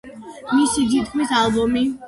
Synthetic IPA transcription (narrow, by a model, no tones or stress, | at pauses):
misid̪it̪̚kʰmisalˠbɔmi